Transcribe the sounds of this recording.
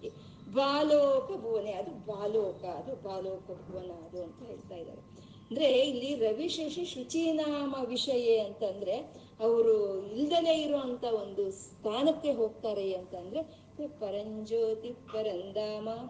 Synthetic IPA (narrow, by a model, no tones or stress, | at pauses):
i | baːloːkɐbʱuʋɐneɐd̪ubaːloːkɐːd̪ubaːloːkɐbʱuʋɐnɐɐd̪uɐnt̪ɐɦe̞ːɭt̪aːjid̪a̰ːɾe | ɐnd̪ɐɾe̞ilːiɾɐʋiʂeʂiʃut͡ʃiːnaːmɐʋiʂɐjeɐnt̪ɐnd̪ɐɾe̞ | ɐʋɐɾuild̪ɐleiɾoʋɐnt̪ɐo̞nd̪ust̪ʰaːnɐkːe̞ɦo̞ːɡ̚t̪aːɾeɐnt̪ɐnd̪ɐɾe | pɐɾɐɲd͡ʒoːt̪ipɐɾɐnd̪aːmɐ